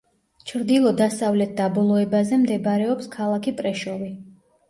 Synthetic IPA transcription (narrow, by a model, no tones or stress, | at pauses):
t͡ʃʰɾd̪ilˠɔd̪asavlɛt̪̚d̪abɔlˠɔɛbazɛmd̪ɛbaɾɛɔpskʰalˠakʰipʼɾɛʃɔvi